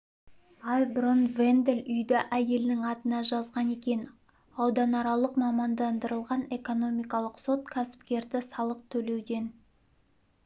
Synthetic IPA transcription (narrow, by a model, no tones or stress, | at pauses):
ɑjbʊɾonvend̪elʏjd̪ɪʔæje̞lnɪŋɑt̪ənɑʒɑzʁɑne̞kʲe̞n | ɑwd̪ɑnɑɾɑlˠəqmɑmɑnd̪ɑnd̪əɾəlˠʁɑne̞ko̞no̞mijkɑlˠəqso̞t̪kʲʰæsɪ̥pkʲe̞ɾd̪ɪsɑlˠəq̚t̪ʰɵle̞wd̪e̞n